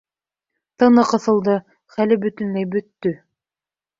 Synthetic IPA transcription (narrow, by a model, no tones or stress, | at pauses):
t̪ɤ̆nɤqɤ̆θɤ̆lˠd̪ɤ | χælɘbɵ̆t̪ɵ̆nlæjbɵ̆t̪ːɵ